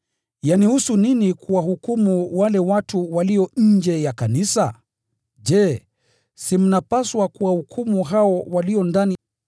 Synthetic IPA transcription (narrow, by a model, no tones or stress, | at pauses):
janihusuninikuwaɦukumuwalɛwatuwaliɔɲ̩d͡ʒɛjakanisa | d͡ʒɛː | sim̩napaswakuwahukʰumuɦaɔwaliɔndani